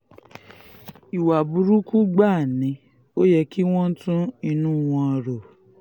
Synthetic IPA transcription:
i˨wa˨bu˨˧ɾu˦ku˦ɡ͡ba˦˨nĩ˨˦ | o˦jɛ˧ki˦w̃ɔ̃˦n̩˦tũ˦i˧nũ˦w̃ɔ̃˧ɾo˨

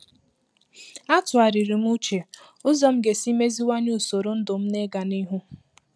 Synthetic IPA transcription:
a˦tʊ˨a˨ɾi˨ɾi˨m̩˦u˦t͡ʃe˨ | ʊ˦zɔ˦m̩˦ɡe˨si˦me˦zi˦wa˦ɲu˦˨so˨ɾo˨˦n̩˦dʊ˨m̩˦ne˦ɡa˨ni˦ɦu˦

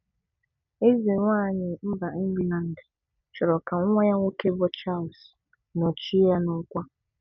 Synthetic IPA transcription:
e˦ze˨ŋʷaː˦˨ɲɪ˨m̩˦ba˨n̩˦bi˦na˨n̩˨dɪ˨ | t͡ʃɔ˨ɾɔ˨ka˨ŋ˦ŋʷɛ˦ja˦ŋʷo˦ke˦bɔ˦t͡ʃa˦˨ls | no˨t͡ʃi˦ja˦nʊ˦ŋ̩˦kʷa˦

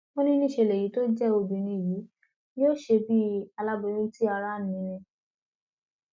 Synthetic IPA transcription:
mo˦nĩ˦nĩ˦˨ʃe˧˨lɛ˨ji˨˦to˦d͡ʒɛ˦o˧bĩ˨nĩ˧˨ji˨˦ | o˦˨ʃe˧bi˦a˧la˦bɔ̃˧˦ũ˦ti˦a˧ɾa˦˨nĩ˨˦˨ɾɛ̃˧

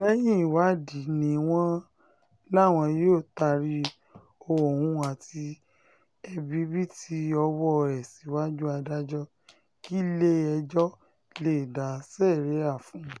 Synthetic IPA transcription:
ɛ˦jĩ˦˨wa˨˦di˨˦nĩ˨˦w̃ɔ̃˦ | la˦˨w̃ɔ̃˧jo˦˨ta˧ɾi˧ | o˧o˨hũ˧˦a˨ti˧ | ɛ˧bi˨˦bi˦ti˧ɔ˧wɔ˦˧˨ɾɛ˨si˨˦wa˦d͡ʒu˦a˧da˦d͡ʒɔ˦ | ki˦le˦ɛ˧d͡ʒɔ˦ | le˦˨da˨˦sɛ˦˨ɾe˨˦a˦˨fũ˨˦

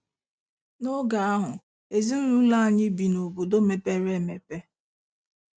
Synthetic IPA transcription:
no˦ɡa˨a˦ɦʊ˨ | e˨zi˦n̩˦ɾu˦la˦a˨ɲɪ˦bi˨no˨bo˨do˦me˨pe˦ɾe˦˨me˨pe˦

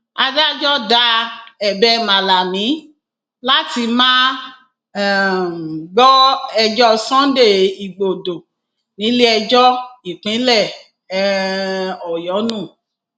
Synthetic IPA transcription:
a˧da˦d͡ʒɔ˦da˨˦ɛ˨bɛ˦mã˨la˨mĩ˨˦ | la˦ti˧mãː˦˨ | ɡ͡bɔ˦ɛ˧d͡ʒɔ˦sɔ̃˦n˦de˦˨i˨ɡ͡bo˨do˨ | nĩ˨˦li˦ɛ˧d͡ʒɔ˦i˨k͡pĩ˨˦lɛ˦˨˦ | ɔ˨jɔ˨˦nũ˦˨

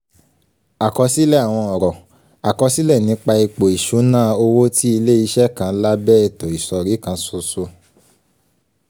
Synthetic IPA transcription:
a˨kɔ˧si˦lɛ˦˨a˨w̃ɔ̃˧ɔ˨ɾɔ˨ | a˨kɔ˧si˦lɛ˦˨nĩ˨˧˦k͡pa˧i˧k͡po˨i˨ʃu˨˦nãː˦o˧wo˦ti˦i˧le˦i˧ʃɛ˦kã˨˧˦la˦bɛː˦ɛ˨tɔ˨i˨sɔ˨ɾi˨˦kã˧˦so˧so˧

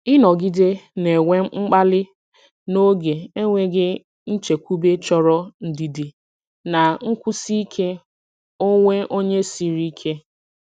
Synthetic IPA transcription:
ɪ˦nɔ˨ɡi˦de˦ne˨ŋʷe˦m̩˦ŋ͡m̩˦k͡pa˦lɪ˦ | no˦ɡe˨e˦ŋʷe˦ɡɪ˦ | n̩˦t͡ʃe˨kʷu˦be˦t͡ʃɔ˦ɾɔ˦n̩˦di˨di˨ | na˨ŋ̩˦kʷu˦si˦kʰe˦ | o˦ŋʷe˦ʔo˦ɲe˦si˨ɾi˦kʰe˦

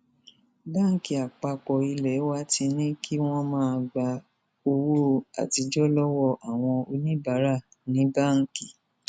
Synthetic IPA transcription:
ba˦˨ŋ̩˨ki˨a˨k͡pa˧k͡pɔ˨i˧lɛ˨˦wa˦ti˧nĩ˦kʰi˦w̃ɔ̃˦mãː˦˧ɡ͡ba˧ | o˧wo˦a̰˨ti˧d͡ʒɔ˦lɔ˦wɔ˧˨ʔa˨w̃ɔ̃˧o˧nĩ˦ba˨˦ɾa˦˨ | nĩ˨˦ba˦˨ŋ̩˨ki˨

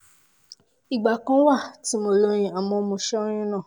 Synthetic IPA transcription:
i˨ɡ͡ba˨kã˦wa˦˨ti˨˦mo˧lo˧ɾ̃ĩ˧a˨mɔ̃˧˨˧mõ˧ʃɛ˦o˦j̃ĩ˦nã˦˨

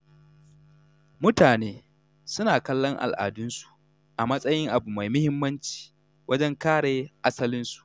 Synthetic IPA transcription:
mʊ˦taː˨neː˦ | sʊ˦naː˨kɐ˦lːɔ˦ŋʔa̰˨lʔa̰ː˨dʊ˦nsu̥˨ | ʔa˨mɐ˦sʼɐ˦jɪ˦ŋʔa˨bu˨ma˨jmʊ˦hɪ˦mːɐ˦nt͡ʃi̥ː˨ | wʔɐ˦d͡ʒɛ˦ŋkaː˦ɽeː˨ʔa˦sɐ˦lɪ˦nsu̥˨ʔ

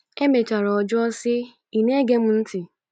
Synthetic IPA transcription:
e˦me˨t͡ʃa˨ɾɔ˨ɔ˨d͡ʒʊ˦ɔ˦sɪ˦ | i˨ne˦ɡe˦m̩˦n̩˦tɪ˨

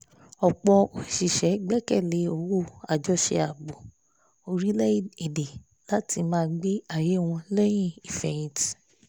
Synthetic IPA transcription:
ɔ˨k͡pɔ˧o˨ʃi˨ʃɛ˨˦ɡ͡bɛ˦kɛ˦˨le˨˦o˧˨wo˦˨a˨d͡ʒɔ˧˦ʃḛ˧˦a˨bo˨ | o˧ɾi˦lɛ˦i˦˨e˨de˨ | la˦ti˧mãː˦˧ɡ͡be˦a˦˨je˨˦˨w̃ɔ̃˧lɛ˦j̃ĩ˦˨i˨fɛ˨ĩ˨t

